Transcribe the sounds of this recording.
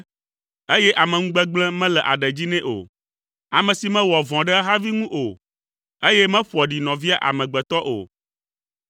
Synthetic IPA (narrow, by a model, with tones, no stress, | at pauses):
e˦jɛ˦ʔa˨mɛ̃˨ŋũ˦ɡ͡bɛ˦ɡ͡blɛ̃˦mɛ̃˦lɛ˨ʔa̰˨ɖɛ˨d͡ʑi˦nɛ̃˦ʔo̰˨ | a˨mɛ̃˨si˨mɛ̃˦wɔ˨vɔ̃˨ɖɛ˦ɦa˦vi˦ŋũ˦ʔo˨ | e˦jɛ˦mɛ̃˦ɸu˨ɔ˨ɖi˨nɔ̃˨vi˦a˦ʔa̰˨mɛ̃˨ɡ͡bɛ˨t̪ɔ˦ʔo̰˨